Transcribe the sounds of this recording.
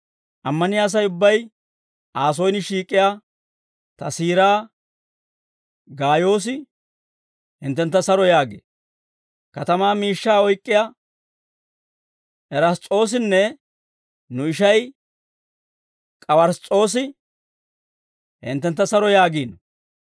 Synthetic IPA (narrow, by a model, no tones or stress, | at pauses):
ʔɐmːɐnɪjaːs̬ɐjʊbːɐj | ʔaːs̬ojnɪʃiːkʼːɪjaː | t̪ɐsiːɾaː | ɡaːjo̞ːs̬ɪ | hɪ̰nt̪ːɛnt̪ːɐsɐɾɔjaːɡḛ | kɐt̪ɐmaːmiːʃːaːɔjkʼːɪja | ʔɛɾɐst͡sʼo̞ːs̬ɪnːɛ | nʊɪʃɐj | kʼɐwɐɾst͡sʼo̞ːs̬ɪ | hɪ̰nt̪ːɛnt̪ːɐsɐɾɔjaːɡiːnɔ